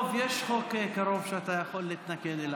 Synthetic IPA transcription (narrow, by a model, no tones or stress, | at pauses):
vjeʃχokekaɾo̞vʃeat̪ajaχo̞lːit̪naked̪ela